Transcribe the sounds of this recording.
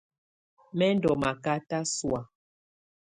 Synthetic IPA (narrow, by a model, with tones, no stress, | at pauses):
mɛ˦ndɔ˨ma˨ka˦ta˦swa˨